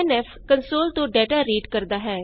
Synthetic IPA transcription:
nɛf | kənsoːlt̪õːɖɛːʈaːɾiːɖkəɾd̪aːɦɛː

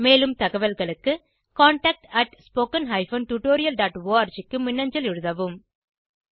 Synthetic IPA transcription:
meːlɯmt̪ɐɣɐʋɐlɣɐɭɯkːɯ | kaːɳʈaːk̚ʈɐʈspoːkɐnɦɐɪfɐːnʈuʈoːɾɪjɐlɖaːʈʋoːɐɾd͡ʒɪkːɯmɪnːɐɲd͡ʒɐlɪɻɯðɐʋɯm

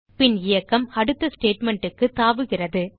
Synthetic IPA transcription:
pɪnɪjɐkːɐmɐɽɯt̪ːɐsʈeːʈmɛɳʈɯkːɯt̪aːʋɯɣɪrɐðɯ

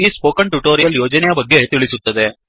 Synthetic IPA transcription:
iːspoːkɐɳʈuʈoːɾijɐljoːd͡ʒɐnɛjɐbɐɡːe̞t̪iɭisut̪ːɐd̪e̞

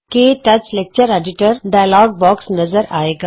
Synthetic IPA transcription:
keʈɐt͡ʃleːk̚t͡ʃəɾeːɖɪʈəɾɖaːjlɔːɡ̚bɔːksnɐzəɾa̰ːeːɡaː

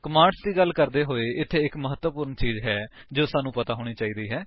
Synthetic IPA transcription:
kəmãːɳsd̪iːɡəlkəɾd̪eːɦoːeːʔɪt̪ʰːeːɪkməɦət̪ʋəpʊɾəɳt͡ʃiːzɦɛː | d͡ʒoːsaːnũːpət̪aːɦoːɽ̃iːt͡ʃaːiːd̪iːɦɛː

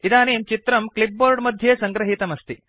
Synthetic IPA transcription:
id̪aːneːmt͡ʃit̪ɾɐmklip̚boːɾɖmɐd̪ʱjɐsɐŋɡɾɐɦit̪ɐmɐst̪i

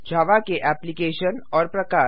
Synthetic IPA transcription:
d͡ʒʱaːʋakeʔɛːplikeːʃənɔːɾpɾɐkaː

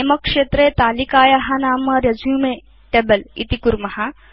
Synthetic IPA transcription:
emɐkʂeːt̪ɾeːt̪aːlikaːjɐɦɐnaːmɐɾjɐd͡ʒjumeː | ʈebɐlḭt̪ikuɾmɐɦɐ

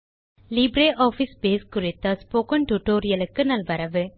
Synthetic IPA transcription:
liːbɾeːʔaːfispeːskʊɾɪt̪ːɐspoːkɐɳʈuʈoːɾɪjɐlɯkːɯnɐlʋɐɾɐʋɯ

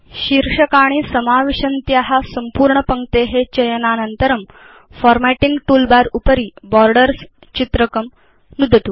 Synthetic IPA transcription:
ɕiɾʂəkaɽ̃iːsəmaʋiɕənt̪jaɦasəmpuːɾɳəpəŋɡt̪eɦet͡ɕəjənanənt̪əɾəm | fɔɾmæʈiŋɡʈuːlbaɾupəɾiːbɔɾɖəɾs | t͡ɕit̪ɾəkəm | nud̪ʱət̪uː

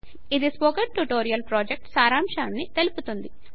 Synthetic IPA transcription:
id̪ispoːkɐɖʈuʈoːɾijɐlpɾoːd͡ʒek̚ʈsaːɾaːmʂaːnːit̪eluput̪und̪i

